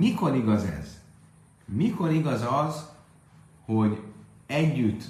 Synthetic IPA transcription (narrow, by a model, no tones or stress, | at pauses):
miko̞ɾiɡɒzɛ̰z | miko̞ɾiɡɒzɒz | ho̞ɟ | ɛɟːyt̪ː